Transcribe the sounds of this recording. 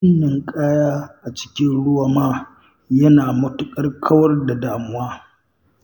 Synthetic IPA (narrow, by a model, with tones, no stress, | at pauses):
ɪ˦nːɪ˨ŋkʼaː˦jaː˦ʔa˨t͡ʃɪ̥˦kʲɪ˦nɽʊ˦waː˨maː˦ | jɐ˦naː˨mʊ˦tʊ˦kʼɐ˦rkʰɐ˦wɐ˦rda˨daː˨mʊ˦waː˦